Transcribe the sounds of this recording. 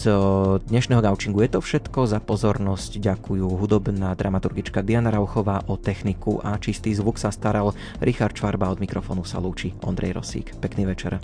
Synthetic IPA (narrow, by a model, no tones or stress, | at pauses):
zd̪ɲɛʃnɛɦɔɡaʊt͡ʃiŋɡujɛt̪ɔfʃɛt̪kɔzapɔzɔɾnɔscɟakʰujuːɦud̪ɔbnaːd̪ɾamat̪uɾɡit͡ʃkad̪ianaɾaʊxɔʋaːʔɔt̪ɛxnikṵʔat͡ʃist̪iːzʋuksast̪aɾal | ɾʔixaɾt̪t͡ʃʋaɾbaɔd̪mikɾɔfɔ̰ːnusa̰luːt͡ʃiɔ̰nd̪ɾɛ̰jɾɔ̰sḭːkpɛkniːʋɛt͡ʃɛ̰ɾ